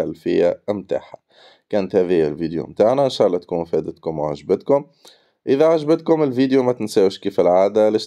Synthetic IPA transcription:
alfɪ̰jːamt̪a̰ːħḁ | kæːnət̪hæðɪjɪlviːd̪jṵmt̪aʕnæʔɪnʃɑːʔlˤːɑt̪kuːnwfɛd̪ət̪kʊmwʕaʒbət̪kʊm | ʔɪðæʕaʒbət̪̚kʊmɪlviːd̪jumæt̪ɪnsæːwʃkiːfɪlʕaːd̪ælɛʃ

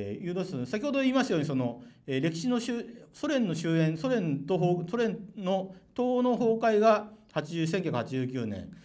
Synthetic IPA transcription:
jɯːt̪od̪esoesakʲiho̞d̪o̞iːmasɨjo̞ːɲ̟iso̞no̞eɾe̞kʲi̥ɕino̞ɕɨso̞ɾẽ̞nːo̞ɕɨːẽ̞ɰso̞ɾẽ̞nt̪oɦoːsoɾẽ̞nno̞t̪oːno̞ɦo̞ːkaiɡahat͡ɕiʑɨːs̬eŋkʲakɯ̟hat͡ɕiʑɨːkʲɨːnẽ̞̰ɴ

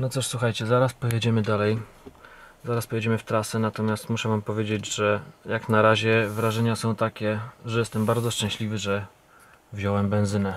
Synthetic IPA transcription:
nɔt̪suʂswuxajt͡ɕɛzaɾaspɔjɛd͡ʑɛmɘd̪alɛj | zaɾaspɔjɛd͡ʑɛmɘft̪ɾasɛnat̪ɔmʲjast̪muʂɛvampɔvʲjed͡ʑed͡ʑʐɛjaknaɾaʑɛvɾaʐɛɲasɔ̃w̃t̪akʲɛʐɛjɛst̪ɛmbaɾd̪zɔʂt͡ʂɛ̃ɕlʲivɘʐɛ | vʑɔwɛmbɛnzɘnɛ

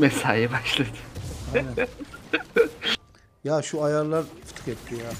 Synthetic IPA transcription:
mɛsaːjɯbaʃlˠad̪ɯ̥an | jaʃuajaɾlˠaɾfɯ̥t̪ʰxɛt̪t̪ʰːɪja

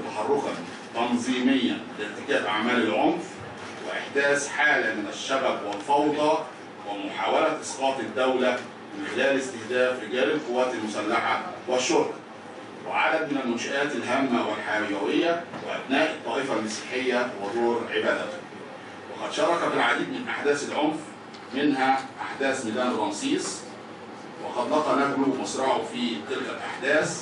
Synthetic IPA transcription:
t̪ɑħɑrˤːokɑn | t̪ɑnzˤiːmɪjːæ̰nlɪɾt̪ɪkæːʔʕa̰mæːlɪlʕomf | wɪʔɪħd̪æːsħaːlæmɪnæʃːæbæbwɪlfɑwd̪ˤɑ | wɪmʊħaːwælæʔɪ̥sqɑːt̪ˤɪd̪ːæwlæ | mɪnxɪlæːlɪst̪ɪhd̪æːfɾɪɡæːlɪlqowːæːt̪ɪlmʊsælːaħawɪʃːoɾk | wɪ̰ʕa̰d̪æd̪̚mɪnælmʊnʃaʔæːt̪ɪlɦæmːæwɪlħajæwɪjːæwɪʔæ̰bnæːʔɨt̪ˤːɑːʔifalmɑsi̥ːħɪjːæwɑd̪oːɾʕɪbæːd̪æ | wɑqɑd̪ʃɑɾˤɑkæbɪlʕad̪iːd̪mɪnʔaħd̪æːsɪlʕonf | mɪnhæʔaħd̪æːsmɪd̪æːnɾˤɑnsˤiːsˤ | wɑqɑd̪lɑqɑnæflʊmɑsɾˤɑʕʊfiːt̪ɪlkælʔa̰ħd̪æːs

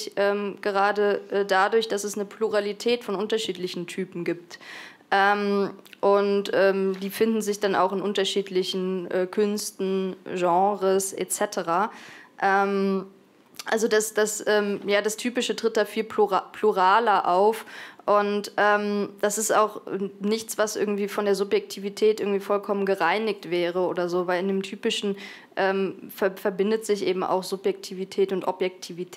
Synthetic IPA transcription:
çʔɛːmɡ̥əʁ̞aːdəʔɛːdadʊɐçd̥asɛsnəpluʁalitʰɛːtfɔnʔʊntɐʃiːtlɪçn̩tʰyːpm̩ɡiːpt | ʔɛːmʔʊntʔɛːmdiːfɪndn̩zɪçd̥ana̰ʊxɪnʔʊntɐʃiːtlɪçn̩ʔɛːkʰʏnstn̩ʒɑ̃ːʁəsʔɛ̰t͡sɛtʰəʁaːʔɛːm | ʔalzodasd̥asʔɛːmjaːdastʰyːpɪʃətʁ̥ɪt̚d̥aːfiːlpʰlupʰl̥uʁaːlɐʔaʊfʔʊntʔɛːmd̥asɪsta̰ʊxnɪçt͡sv̥asʔɪ̰ɐɡŋ̩tv̥iːfɔndeːɐzʊpjɛk̚tʰiːvitʰɛːt̚ʔɪɐɡŋtv̥iːfɔlkʰɔmənɡəʁaɪnɪç̚tv̥ɛːʁəoːdɐzoːvaɪlɪndeːmtʰyːpɪʃn̩ | ʔɛːmfɛfɛɐbɪndətz̥ɪçʔeːbm̩ʔa̰ʊxz̥ʊpjɛk̚tʰiːvitʰɛːtʊntʔɔpjɛk̚tʰiːvitʰː

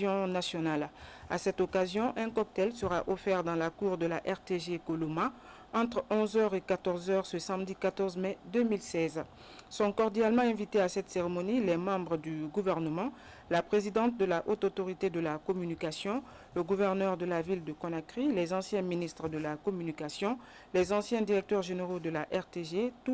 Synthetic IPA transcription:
ɔ̃nasjɔnala̰sɛt̪okazjɔ̃ʔɛ̃kɔk̚t̪ɛlsəʁaʔofɛʁd̪ɑ̃lakuʁd̪əlaʔɛʁt̪eʒekoloma | ɑ̃t̪χɔ̃zœʁekat̪ɔʁzœʁsəsãmd̪ikat̪ɔʁzmɛd̪ømilsɛz | sɔ̃kɔʁd̪jalmɑ̃ɛ̃vit̪easɛt̪seʁemɔnilɛmɑ̃bʁəd̪yɡuvɛʁnəmɑ̃ | lapχezid̪ɑ̃t̪̚d̪əlaʔot̪ot̪oʁit̪ed̪əlakɔmynikasjɔ̃ | ləɡuvɛʁnœʁd̪əlavild̪əkɔ̃nakʁilɛzɑ̃sjɛ̃minist̪χəd̪əlakɔmynikasjɔ̃ | lɛzɑ̃sjɛ̃d̪iʁɛk̚t̪œʁʒeneʁod̪əlaʔɛʁt̪eʒet̪u

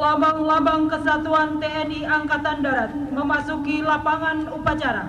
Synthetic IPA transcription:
labaŋlabaŋkəsat̪uant̪eɛniaŋkat̪andaɾat̪̚məmasukilapaŋanupat͡ʃaɾa̰

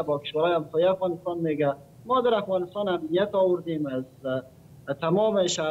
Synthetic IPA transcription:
bɔkɪ̥ʃwalɔjɪamsɔːjiafɣɑnɪst̪ɑnmeɡa | mɔːd̪aɾafɣɑnɪst̪ɑnamnijat̪ɔwʊɾd̪emaz | t̪amɔmeʃa

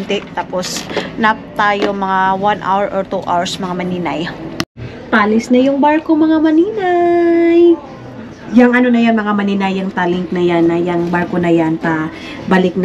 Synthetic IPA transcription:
nt̪ɛʔt̪aːposnap̚t̪aːjomɐŋawanʔa̰wɛɹʔoɹt̪uʔa̰wɹsmɐŋamɐniːnɐj | p̪aːlɪsnɐjʊŋbaɾkomɐŋamɐniːnaj | jɐŋʔɐno̞nɐjanmɐŋamɐninajɐŋt̪alɪŋk̪̚nɐjanɐjɐŋbaɹko̞nɐjanp̪ɐ | bɐlɪk̚n

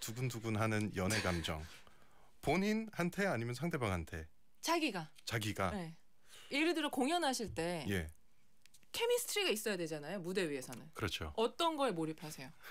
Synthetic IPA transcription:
tuɡunduɡunɦanɯnjʌnɦe̞ɡamd͡ʑʌ̰ŋ | poɲinhantʰeaɲimjʌnsʰaŋde̞baŋɦantʰe̞̰ | t͡ɕaɡiɡa | t͡ɕaɡiɡae | eɾɯdɯɾʌkoŋjʌnɦaɕʰiɭt͈e̞je̞ | kʰe̞misʰɯ̥tʰɾiɡais͈ʌjadwe̞d͡ʑanajomude̞ɥie̞sʰʌnɯnkɯɾʌt͡ɕʰoʌt͈ʌnɡʌemoɾipʰasʰe̞jo

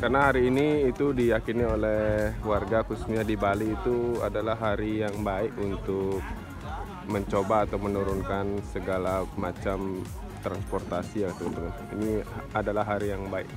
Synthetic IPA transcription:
karnaɦaɾiːniːt̪udijakiniolɛwarɡakusu̥ɲadibaliːt̪ua̰dalaɦaɾijaŋbaɪkunt̪ʊk̚ | məɲt͡ʃobaːt̪awmənuɾʊnkansəɡalamat͡ʃam | t̪ɾanspɔrt̪asiakat̪uunt̪uk̚ | iniadalaɦːaɾijaŋbaɪ̰k

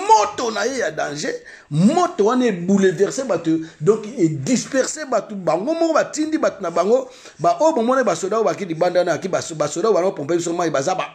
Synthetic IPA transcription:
motonajejadãʒe | motowanaebulevɛʁsebatodɔ̃ŋkedispɛʁsebatobaŋɡomɔkbatindibatonabaŋɡo | baʔojobamɔnakbasodabak̬idibandanaakibasodabaopɔpeis̬omaibazaba

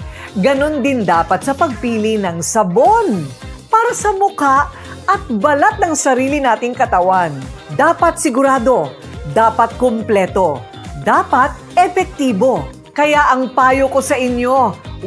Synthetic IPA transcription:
ɡɐno̞nd̪ɪnd̪aːpɐt̪̚sɐpɐɡ̚piːlɪnɐŋsɐbo̞npaːɾɐsɐmʊkaʔ | ɐt̪̚bɐlat̪̚nɐŋsɐɾiːlɪnaːt̪ɪŋkɐt̪ɐwand̪aːpɐt̪sɪɡʊɾaːd̪o̞ | d̪aːpɐt̪̚komplɛːt̪o̞ | d̪aːpɐt̪̚ʔɛfɛk̚t̪iːbo̞ | kɐjaʔɐŋpaːjoko̞sɐʔɪɲjo̞

